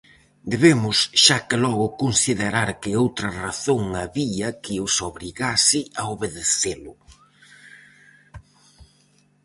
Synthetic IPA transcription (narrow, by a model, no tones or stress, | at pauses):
d̪eβemʊsʃakɪlɔɣʊkonsiðeɾaɾkɪowt̪ɾɐraθoŋɐβiɐkɪʊsoβɾiɣasɪaoβeðeθelʊ